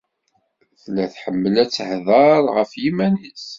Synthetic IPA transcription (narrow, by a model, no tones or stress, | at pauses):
θlæθħəmːəlæt͡sːhðˤɑɾˤʁəfjimænis